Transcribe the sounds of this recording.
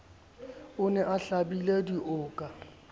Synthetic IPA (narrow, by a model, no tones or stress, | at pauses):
ʊnɛʔaɬabilediʔʊːkʼa